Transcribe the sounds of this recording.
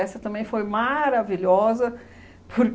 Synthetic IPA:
ɛsɐt̪ɐ̃mbẽj̃fojmaɾaviʎɔzɐ | pʰʊɾk

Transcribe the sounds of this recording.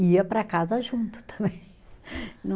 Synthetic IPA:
iɐpɾɐkazɐʒũnt̪ʊ̥t̪ʰɐ̃mẽj̃ | nɐ̃

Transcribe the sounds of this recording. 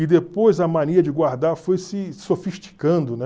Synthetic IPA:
ɪd̪epojzɐmɐ̃neɾɐd͡ʒɪɡwaɾd̪aɾfojsɪsofiʃt͡ʃi̥kɐ̃nd̪ʊnɛ

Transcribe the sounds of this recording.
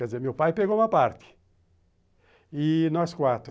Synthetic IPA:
kɛd̪izeɾmewpajpeɣoũmɐpaɾt̪ɪ̥ | inɔskwat̪ɾ

